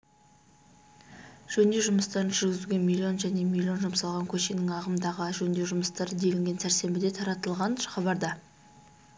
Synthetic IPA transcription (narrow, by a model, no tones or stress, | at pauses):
ʒ̥ɵnd̪eʒʊməst̪ɑɾənʒʏɾɡʲɪzuɡʲe̞nmʲilʲːio̞nʒæne̞milʲːio̞nʒʊmsɑlˠʁɑŋkʲʰɵʃe̞nɪŋɑʁəmd̪ɑʁəʒɵnd̪e̞ʒʊməst̪ɑɾəd̪e̞lɪŋɡʲe̞nsæɾse̞mbɪd̪e̞t̪ʰɑɾɑt̪əlˠʁɑnχɑbɑɾd̪ɑ